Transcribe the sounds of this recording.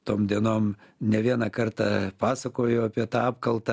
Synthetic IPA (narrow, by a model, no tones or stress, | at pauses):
t̪oːmd̪ʲiɛnoːmnʲɛʋʲiɛnɑkɐrt̪ɑpɑːsɐkoːjʊɐpʲiɛt̪ɑːɑːpkɐlˠt̪ɐ